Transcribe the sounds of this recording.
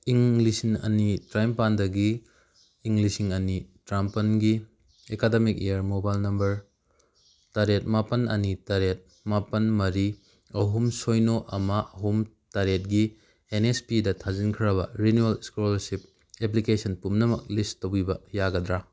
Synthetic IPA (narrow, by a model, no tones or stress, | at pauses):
iŋlisiŋɐ̰nitɾajmpandɐɡiː | ŋlisiŋɐnitɾampɐnɡi | ekademik̚ejɐɾmobajlnɐmbɐɾ | taɾet̚mapɐnɐ̰nitaɾet̚ | mapɐnmɐɾi | ɐɦumsojnoʔɐmɐɐɦum | taɾet̚ɡi | enespidɐtʰazinkʰɾɐbɐɾinuɐlskolsip̚ | ep̬likesɐnpumnɐmɐk̚listtowibɐjaɡɐdɾa